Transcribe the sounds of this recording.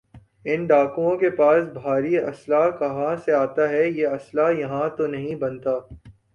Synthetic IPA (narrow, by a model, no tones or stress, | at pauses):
ɪnɖaːkũõkepaːsbʱaːɾiɐ̰slakɐɦãseaːt̪aɦɛjeɐslajɐɦãt̪onɐɦĩbɐnt̪aː